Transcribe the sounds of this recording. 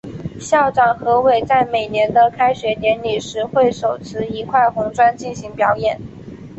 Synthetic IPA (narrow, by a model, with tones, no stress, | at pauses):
ɕjɑ˥˩ʊʈ͡ʂɑ˨˩ŋxɤ˧˥we˨˩ɪt͡sa˥˩ɪme˨˩ɪnjɛ˧˥nd̪ə˧kʰa˥ɪɕɥɛ˧˥njɛ˧˥nli˨˩ʂɻ̩˧˥xwe˥˩ɪʂo˨˩ʊt͡sʰɹ̩˥i˧˥kʰwa˥˩ɪxʊ˧˥ŋʈ͡ʂwa˥nt͡ɕi˥˩nɕi˧˥ŋpjɑ˧˥ʊjɛ˨˩˦n